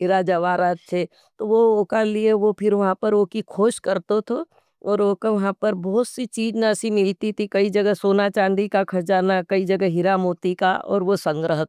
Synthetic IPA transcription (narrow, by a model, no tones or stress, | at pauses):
ɦɪɾad͡ʒɐʋaːɾaːt̪̚t͡ʃʰeː | t̪oʋooːkalieʋopʰɪɾʋɐɦãpɐɾʋoːkikʰoːʃkɐɾt̪ot̪ʰo | ɔːɾoːkeʋɐɦãpɐɾbɔːt̪sit͡ʃiːd͡ʒnasimɪlt̪it̪ʰikɐid͡ʒɐɡəsoːnat͡ʃãːnd̪ikakʰɐɾd͡ʒaːnakɐid͡ʒɐɡɦɪɾamoːt̪ika̰ɔ̰ːɾʋosɐ̃ŋɡɾəɦət̪